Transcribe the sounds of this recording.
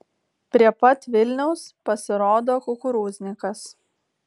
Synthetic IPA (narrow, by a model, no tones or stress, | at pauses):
pʲɾʲiɛpɐt̪ʋʲɪlʲnʲɛʊspɐsʲɪɾoːd̪oːkʊkʊɾuːzʲnʲɪkɐs